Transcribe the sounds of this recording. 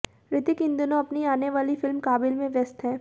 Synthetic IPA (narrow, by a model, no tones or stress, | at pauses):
ɾɪt̪ɪkɪ̃nd̪ʊnõɐpniaːneʋaːlifɪlmkaːbɪlmẽʋjɐst̪ɦɛ̃ː